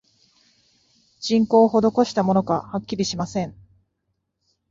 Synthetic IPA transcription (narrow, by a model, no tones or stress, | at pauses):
d͡ʑ̥ĩŋko̞ːɦo̞d̪o̞ko̞ɕi̥t̪amo̞no̞kahakʲːiɾʲiɕimasẽ̞ŋ